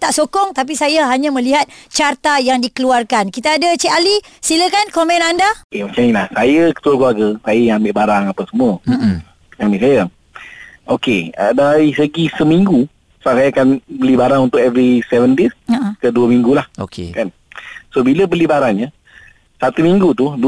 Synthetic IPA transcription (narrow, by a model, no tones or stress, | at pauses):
t̪aʔsokɔŋt̪ap̬isajaɦaɲãmə̃liɦat̪̚t͡ʃart̪ajaŋdikəluarkankit̪aːdət͡ʃɛʔalisiləkankomɛ̃nandaemãt͡ʃamilahsajəkə̥t̪ualkuaɡəsajəjaŋambɪʔbaɾaŋapasəmuə | ambiʔsaja | okeədaɾisəɡisəmiŋɡu | səbaʔ̚sajaːakanbəlibaɾaŋunt̪ʊkɛvɾisɛvəndisakəduəmiŋɡulaho̰kḛkan | sobiləbəlibaɾaŋɲə | sat̪umiŋɡut̪udu